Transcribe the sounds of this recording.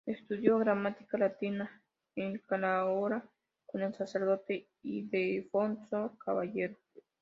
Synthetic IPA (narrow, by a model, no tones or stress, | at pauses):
est̪uðjoɣɾamat̪i̥kalat̪ina | eŋkalaoɾa | konelsaseɾðot̪e | id̪efonsokaβaʝeɾo